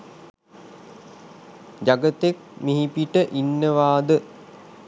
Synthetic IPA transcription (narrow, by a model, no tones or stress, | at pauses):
d͡ʒaɡət̪ek̚miɦipiʈəʔinːəʋaːd̪ə